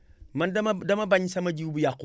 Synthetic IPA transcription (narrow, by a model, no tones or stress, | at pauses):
mandamabaɲsamad͡ʒiɡbujaku